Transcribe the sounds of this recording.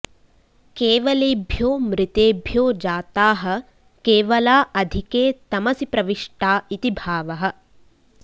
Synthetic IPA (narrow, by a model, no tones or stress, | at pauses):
keːʋɐleːbʱjoːmɾɪt̪eːbʱjoːd͡ʒaːt̪aːɦɐ̆ | keːʋɐlaːʔɐd̪ʱikeːt̪ɐmɐsipɾɐʋiʂʈaːit̪ibʱaːʋɐɦɐ̆